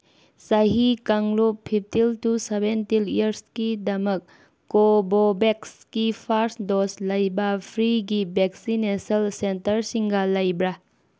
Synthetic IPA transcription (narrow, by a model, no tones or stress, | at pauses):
sɐɦikɐŋloppʰːip̚ʰtiltusebentiliɐɾskidɐmɐkː | obobekskipʰaɾsdoslɐjbɐpʰɾiɡibeksineselsentɐɾsiŋɡɐlɐjbɾa